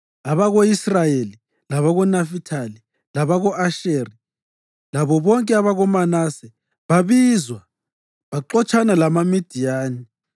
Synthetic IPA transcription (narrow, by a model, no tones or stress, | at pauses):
aβaɣoisrajeli | laβaɣɔnafitʰali | laβaɣɔʔaʃeːri | laβɔβɔŋkʼɛaβaɣɔmanasɛ | βaβizwa | βaǃɔt͡ʃʰʼanalamamid̥ʱijaːni